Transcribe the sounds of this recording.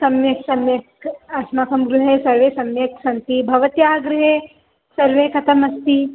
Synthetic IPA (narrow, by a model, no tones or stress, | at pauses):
sɐmjeksɐmjekɐsmaːkɐmɡɾuɦesɐɾʋeːsɐmjeksɐnt̪ibʱɐʋɐt̪jaːɡɾɪɦe | sɐɾʋeːkɐt̪ʰɐmɐst̪i